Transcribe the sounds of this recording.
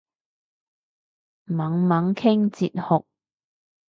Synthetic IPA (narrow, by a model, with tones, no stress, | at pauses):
mɐ˨˥ŋmɐ˨˥ŋkʰɪ˥ŋt͡sḭː˨t̚hʊ˨k̚